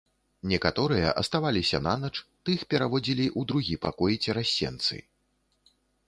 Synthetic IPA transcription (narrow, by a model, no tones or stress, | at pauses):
nʲɛkat̪ɔɾɨjɐ̰ʔɐst̪avalʲisʲɐ̰nanɐt͡ʂt̪ɨxpʲɛɾavɔd͡zʲilʲiʔud̪ɾuɣʲipa̰kɔjit͡sʲɛɾasʲːɛ̰nt̪sɨ̰